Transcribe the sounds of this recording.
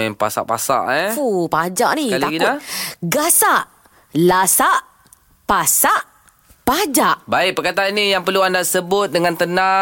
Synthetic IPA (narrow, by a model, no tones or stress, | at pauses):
ɛnpa̰sa̰ʔpa̰sa̰ʔɛupad͡ʒaʔnikalaɡinaɡasaʔ | lasaʔ | pasaʔ | pad͡ʒaʔbaɪʔ̚pərkat̪aanijaŋpərluandasəbʊt̪̚dəŋãnt̪əna